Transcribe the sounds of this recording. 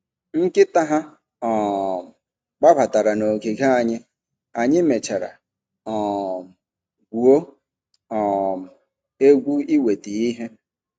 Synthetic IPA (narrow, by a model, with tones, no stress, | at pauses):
ŋ̩˦kɪ˦ta˦ɦa˦ | ɔ˨ | ɡ͡ba˦ba˨ta˨ɾa˨no˨ke˨ɡa˦a˨ɲɪ˦ | a˨ɲɪ˦me˨t͡ʃa˨ɾa̰˨ | ɔ˨ | ɡʷu˨o˦ | ɔ˨ | e˦ɡʷu˦i˦we˨ti˨i˦ɦe˦